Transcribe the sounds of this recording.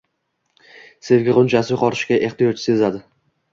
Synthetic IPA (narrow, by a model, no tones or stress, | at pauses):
se̞vɡʲɪʁʊnt͡ʃʰasɪjʊqɒɾɪʃkʲaʔe̞χt̪ɪjɒt͡ʃʰɪ̥se̞zad̪ɪ